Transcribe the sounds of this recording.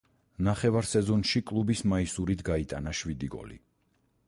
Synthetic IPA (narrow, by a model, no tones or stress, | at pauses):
naχɛvaɾsɛzɔnʃikʼlˠubismaisuɾit̪ʰɡait̪ʼanaʃvid̪iɡɔ̰lḭ